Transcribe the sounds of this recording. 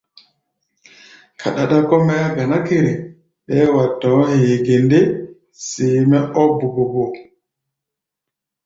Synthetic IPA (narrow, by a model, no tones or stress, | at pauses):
kʰa̰ɗaɗakɔmɛaɡanakeɾɛ | ɓɛwatːɔheːɡendɛ | siːmɛʔɔbubɔbɔ